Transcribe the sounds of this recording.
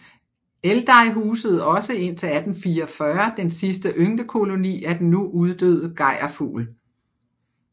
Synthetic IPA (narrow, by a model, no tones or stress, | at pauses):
eld̥ɑ̈ɪɦuːsəð̞̩ˠɒ̽səe̝n̰t͡sʰe̝læd̥n̩fiːɐɒfɶɐd̥ensisd̥əʔøŋd̥əkʰo̝lo̝nḭːæd̥en̩ːuʔuð̞ˠd̥ø̰ːðˠəɡ̥ɑ̈ɪ̰ɐfṵːl